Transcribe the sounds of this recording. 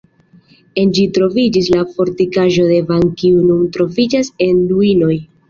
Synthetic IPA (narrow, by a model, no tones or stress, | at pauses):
e̞nd͡ʒitɾo̞vid͡ʒis̬lafo̞ɾtikaʒo̞de̞vaŋkiununtɾo̞vid͡ʒase̞nduino̞j